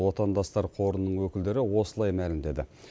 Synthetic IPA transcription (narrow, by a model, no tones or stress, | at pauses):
wo̞t̪ɑnd̪ɑst̪ɑɾqʰo̞ɾənːəɴwɵkʲɪld̪e̞ɾɪwo̞səlˠɑjmælɪmd̪e̞d̪ɪ